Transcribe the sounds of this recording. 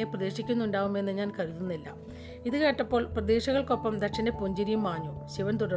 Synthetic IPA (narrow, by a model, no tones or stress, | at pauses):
eprɐd̪e̞ːʂikʲːunːuɳɖaːʋume̞nːɨɲaːnkɐɻuðunːilːɐ̰ | iðɨke̞ːʈːɐpːo̞ːɭprɐd̪e̞ːɕɐɣɐɭko̞pːɐmd̪ɐkʂɐndepuɲd͡ʑiɾijumaːɲːoːɕiʋɐnt̪̬uɽɐ